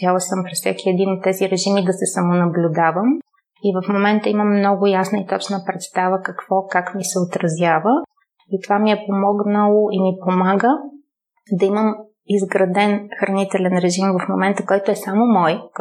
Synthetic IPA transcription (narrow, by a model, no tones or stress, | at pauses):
alˠəsɤmpɾɛssɛkʰiɛd̪inot̪̚ːɛziɾɛʒimid̪ɐsɛsɐmonɐblʲʊd̪avəm | ivəfmomɛnt̪əiməmːnɔɡʊjasnəit̪ɔt͡ʃnəpɾɛt̪st̪avəkɐkv̥ɔkakmisɛot̪ɾɐzʲjavə | it̪ovamiɛpomɔɡnəlˠoʔimipomaɡə | d̪ɐiməm | izɡɾɐd̪ɛnxɾɐnit̪ɛlɛnɾɛʒimvɐfmo̰mɛnt̪əkɔjt̪oɛsamomɔj